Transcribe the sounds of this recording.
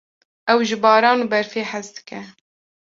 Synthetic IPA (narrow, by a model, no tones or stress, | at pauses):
ʔɛwʒɨbɑːɾɑːnubɛɾfeːħɛzd̪ɨ̥kɛ